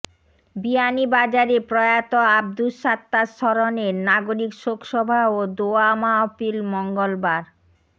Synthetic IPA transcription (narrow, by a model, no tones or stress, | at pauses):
bianibad͡ʑaɾepɾɔjat̪oab̚d̪uʃat̪ːaʃɔɾoneɾnaɡoɾikʃokʃɔbʱaod̪oamaɔpilmɔŋɡolbaɾ